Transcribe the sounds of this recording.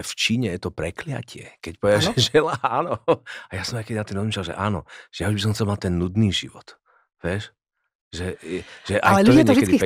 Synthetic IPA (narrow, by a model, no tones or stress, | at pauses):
ɛft͡ʃiːɲɛjɛt̪ɔpɾɛklɪa̰cʰɪɛ̰kɛc̚pɔʋɛd̪aʒɛʒɛlaaːnɔajasɔmaɪjkɛd̪inat̪imɾɔzmiʃlalʒɛ̰ʔaːnɔ̰ʒ̥ɛjauʒbis̬ɔmxt͡sɛlmat̪ɛnːud̪niːʒiʋɔt̪ | ʋɪɛʃ | ʒɛʒɛʔaɛluɔɛɔɛʒdikɛd̪iki